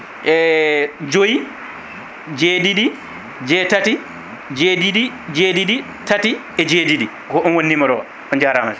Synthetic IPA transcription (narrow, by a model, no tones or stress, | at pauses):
ʔɛd͡ʒoji | d͡ʒeːdidi | d͡ʒɛtati | d͡ʒedidi | d͡ʒedidi | tati | ɛd͡ʒedidi | ɡɔʔɔnwonːimɔɾɔ | ɔnd͡ʒaɾamaf